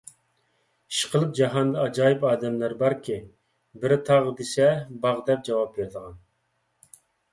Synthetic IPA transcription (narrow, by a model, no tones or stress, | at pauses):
i̥ʃqʰəlˠɨp̚d͡ʒɑɦɑnd̪ɑɑd͡ʒɑːjipɑːd̪ɛmlæɾbɑɾkʲʰi | bɪɾt̪ʰɑʁd̪esɛbɑʁd̪ɛp̚d͡ʒɑwɑp̚beɾd̪əʁɑn